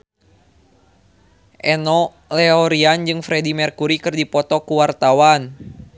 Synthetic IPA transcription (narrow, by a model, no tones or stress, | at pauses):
ʔɛnɔ | lɛɔɾiand͡ʒɨŋfɾɛdimɛrkuɾikɨrdipɔt̪ɔkuwart̪awan